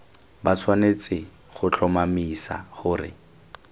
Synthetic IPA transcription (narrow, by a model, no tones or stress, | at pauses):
bat͡sʰwanet͡sɪ | χʊt͡ɬʰɔmamisa̰χʊːrɪ̰